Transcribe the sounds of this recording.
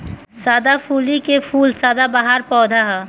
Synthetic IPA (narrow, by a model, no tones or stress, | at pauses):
saːd̪apʰuːlikepʰuːlsaːd̪abaɦaɾpɔːd̪ʱaɦɛ